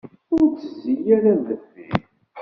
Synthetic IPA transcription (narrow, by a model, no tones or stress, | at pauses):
ʊɾt͡sːəzːijæɾæðəθi